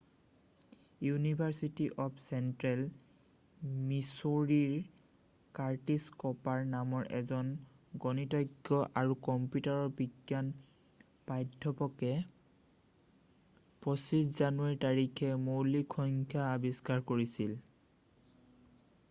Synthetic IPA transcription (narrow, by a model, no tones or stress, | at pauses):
junibʱaɹsitiʔɔpʰsɛntɹɛl | misoɹiɹ | kaɹtiskɔpaɹnamɔɹʔɛ̰zɔn | ɡɔnitɔjɡɔʔaɹukɔmpjutaɹɔɹbiɡjan | pajdʱːɔpɔkɛ | pɹosiszanuwaɹitaɹikʰɛmowlikʰɔŋkʰjaːbiskaɹkoɹisil